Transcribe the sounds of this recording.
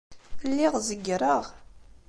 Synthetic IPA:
θəlːiʁzəɡːɾˤəʁ

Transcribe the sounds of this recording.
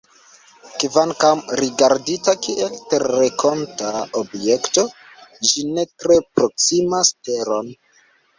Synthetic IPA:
kvaŋkamɾiɡaɾditakiʔe̞lteɾːekʰo̞ntaobjekto̞ | d͡ʒine̞tɾe̞pɾo̞ksimaste̞ɾo̞n

